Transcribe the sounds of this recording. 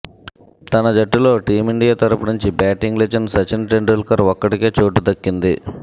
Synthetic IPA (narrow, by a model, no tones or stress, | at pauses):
t̪ɐnɐd͡ʒɐʈːulo̞ːʈiːmiɳɖijaːt̪ɐɾupunuɲt͡ʃibaːʈiŋɡled͡ʒɐɳɖsɐt͡ʃinʈeɳɖulkɐɾɔkːɐʈike̞ːt͡ʃoːʈːud̪ɐkːind̪i